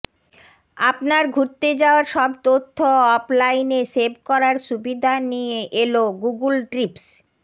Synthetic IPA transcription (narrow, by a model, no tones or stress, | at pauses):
apnaɾɡʱuɾt̪ed͡ʑaoaɾʃɔbt̪ot̪ʰːoɔplajnesebkɔɾaɾʃubid̪ʱanijeʔeloɡuɡulʈɾips